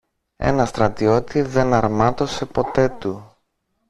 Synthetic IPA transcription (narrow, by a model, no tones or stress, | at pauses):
e̞̰nɐst̪ɾɐt̪io̞t̪iðe̞nɐɾmɐt̪o̞se̞po̞t̪e̞t̪u